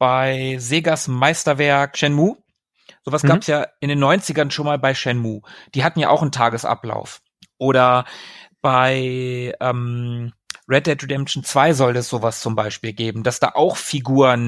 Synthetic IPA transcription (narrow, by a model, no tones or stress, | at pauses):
b̥aɪzeːɡasmaɪstɐvɛɐkʃɛnmuː | z̥oːvasɡɡ̥aːpsjaːʔɪndeːnːɔʏnt͡sɪɡɐnʃoːnmaːlbaɪʃɛnmuːd̥iːɦatn̩ja̰ːʔa̰ʊxn̩tʰaːɡəsʔa̰pla̰ʊf | ʔoːɾɐ | b̥aɪʔɛːm | ʁɛdɛtʁedɛmʃn̩t͡sv̥aɪzɔlɛsz̥oːvast͡sʊmbaɪʃpiːlɡeːbm̩d̥asd̥a̰ːʔaʊxfiɡuːʁən